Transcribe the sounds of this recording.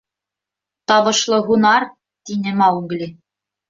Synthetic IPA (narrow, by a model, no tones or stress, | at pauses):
t̪ɑβɤ̆ʃlˠɤɦunɑɾ | t̪inɘmɑwɡlʲi